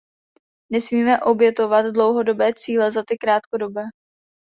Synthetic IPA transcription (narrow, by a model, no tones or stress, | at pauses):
nɛsmiːmɛʔo̞bjɛt̪o̞vad̪dlo̞wɦo̞do̞bɛːt͡siːlɛzat̪ɪkɾaːt̪kodo̞bɛː